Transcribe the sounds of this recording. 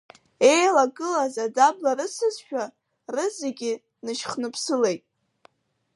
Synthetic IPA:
e̞jlaɡɨlazadablaɾɨsɨzʃᶣa | rɨzeɡʲi | nɨʃχnɨpʰsɨle̞jtʼ

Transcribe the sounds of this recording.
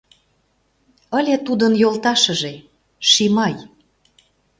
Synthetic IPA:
ə̆lʲet̪ud̪ənjolˠt̪ɑʃə̆ʒe | ʃimɑj

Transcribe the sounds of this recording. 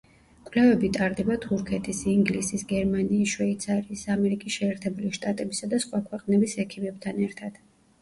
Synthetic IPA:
kʼwlɛvɛbit̪ʼaɾd̪ɛbat̪ʰuɾkʰɛt̪ʰisiŋɡlisisɡɛɾmaniːsʃwɛit̪sʰaɾiːsamɛɾikʼisʃɛːɾt̪ʰɛbuliʃt̪ʼat̪ʼɛbisad̪asχwakʰwɛqʼnɛbisɛkʰimɛbt̪ʰanɛɾt̪ʰad̪̥

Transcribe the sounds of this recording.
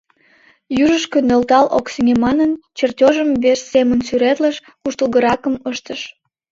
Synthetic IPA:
jyʒəʃkønølt̪ɑlo̰ksəŋʲemɑnənt͡ɕertʲoʒəmβeʃsemənsyɾet̪ləʃ | kuʃt̪əlˠɣəɾɑkəməʃt̪əʃ

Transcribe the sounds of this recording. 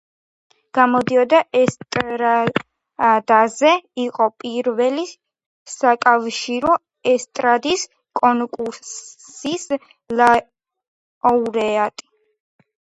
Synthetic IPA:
ɡ̥amɔd̪iɔd̪aʔɛst̪ʼɾa | d̪azɛiqʼɔpʼiɾvɛli | sakʼafʃiɾɔ | ɛst̪ʼɾad̪is | kʼɔnkʼuɾsis | la | ɔuɾɛat̪ʼi̥

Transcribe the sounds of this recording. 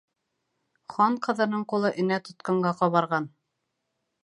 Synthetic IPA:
χɑɴqɤ̆ðɤ̆nɤɴqulˠɤʔɘ̆næt̪ŏt̪̚qɑɴɢɑqɑβɑɾʁɑn

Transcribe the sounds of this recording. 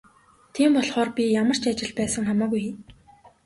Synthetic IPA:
t̪ʰiːmpɔɮχɔːrpʲijamə̆r̥t͡ɕat͡ɕɪ̆ɮpæːsə̆ŋχamaːɣuji

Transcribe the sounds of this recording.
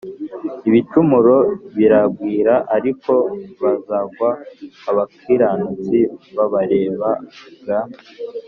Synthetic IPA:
iβitumuɾo̞βiɾaɡwiːɾaʔaɾiko̞βazaɡwaːβakiɾanut͡siβaβaɾe̞ːβaɡaːn

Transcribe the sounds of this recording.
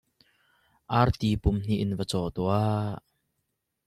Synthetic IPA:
ʔart̪iːpʊmn̥iʔɪnvət͡sɔt̪ua

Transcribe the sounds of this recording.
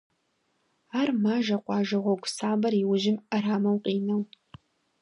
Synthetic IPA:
aːrmaːʒɐqʷɑːʒɐʁʷɔɡʷsaːbɐriwʊʒɪmɐraːmɐwqʼiːnɐw

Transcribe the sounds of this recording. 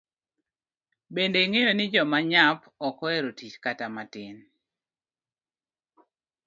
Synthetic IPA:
bendeiŋejonɪd͡ʒɔmaɲap | ɔkɔɛɾotit͡ʃkatamatɪn

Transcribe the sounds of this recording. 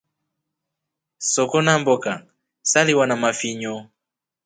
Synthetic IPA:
sɔkɔnambɔka | saliwanamafiɲɔ

